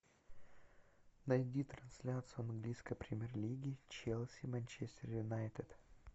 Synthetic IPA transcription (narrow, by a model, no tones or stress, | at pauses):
nɐjd̪ʲit̪ɾɐnsʲlʲat̪sɨjʊɐnɡlʲijskəjpɾʲɪmʲerlʲiɡʲɪt͡ɕelˠsʲɪmanʲt͡ɕesʲt̪ʲɪrjʊnajt̪ʲɪd̪̥